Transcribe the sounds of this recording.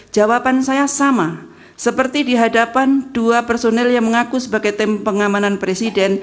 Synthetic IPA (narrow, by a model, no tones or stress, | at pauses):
d͡ʒ̥awapansajasama | səpərt̪idiɦadapand̥uapɛrsonɛljaŋməŋakusəbaɡajt̪ɪmpəŋamananpɾesidɛn